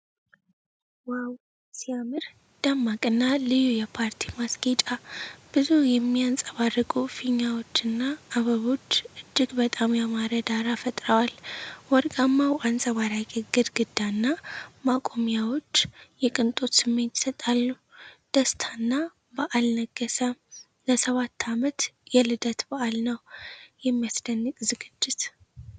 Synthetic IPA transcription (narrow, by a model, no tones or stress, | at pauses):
waw | sijamɨɾ | d̪̥amːakʼɨnːalɨjujɛpʰaɾt̪ʰimasɡet͡ʃʼab̥ɨzujɛmːiant͡sʼəβarːɨkʼufiɲːawo̞t͡ʃːɨnːaːβəβo̞t͡ʃːʔɨd͡ʒːɨɡbət̪ʼamjamaɾəd̪aɾafət̪ʼɾəwalwɔɾɡʼamːawansʼəwaɾakʼeɡɨd̪ɡɨd̪ːanːamakʼo̞mijawot͡ʃːjɛkʼɨnt̪ʼo̞t̪sɨmːe̞nt̪i̥sət̪ʼalːu | d̪̥əst̪ʰanːa | bəʔalnəɡəsə | ləsəβat̪ʰːamət̪jɛlɨd̪ət̪baʔalnəwjɛmːijasd̪ənːɨkʼzɨɡɨd͡ʒːɪt̪